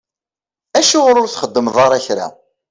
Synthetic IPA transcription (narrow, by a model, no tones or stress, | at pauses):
æʃʊʁɾʊɾθχəd̪ːəmðˤɑɾˤæçɾa̰